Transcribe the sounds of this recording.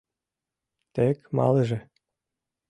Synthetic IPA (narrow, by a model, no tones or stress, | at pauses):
t̪ekmɑ̰leʒĕ